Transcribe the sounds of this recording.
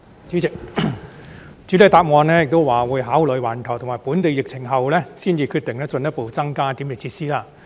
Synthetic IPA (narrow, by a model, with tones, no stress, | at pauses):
yː˨˥˨ | t͡syː˨˥le˨˧jt̪aː˧˥p̚ŋɔː˨˧nlɛː˥jɪ˨k̚t̪o˥wwaː˨wuː˨˧jɦaː˨˥wlɵ˨˧jwaː˨˩nt̪ʰɐ˨˩wt̪ʰʊ˨˩ŋmaː˨˩jpuː˨˥nt̪e˨˧jɪ˨k̚t͡sʰɪ˨˩ŋɦɐ˨wlɛː˥siː˥nt͡siː˨˧kʰyː˧t̪̚ɪ˨ŋlɛ˥t͡sɵ˨˧njɐ˥po˨˧wt͡sɐ˥ŋkaː˥t̪iː˨˥mjɪ˨˩t͡sʰiː˧t̚siː˥laː˧